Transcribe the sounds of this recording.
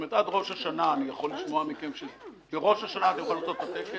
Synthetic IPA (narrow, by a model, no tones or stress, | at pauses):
met̪ad̪ʁo̞ʃhaʃanaːnijaχolːiʃmoamikemʃezb̥eʁo̞ʃaʃanat̪emxolimot̪ot̪at̪eke